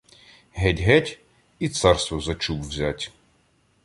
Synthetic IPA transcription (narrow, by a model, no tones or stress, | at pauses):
ɦɛtʲɦɛtʲ | it̪sɑrst̪ʋɔzɐt͡ʃubʋzʲatʲ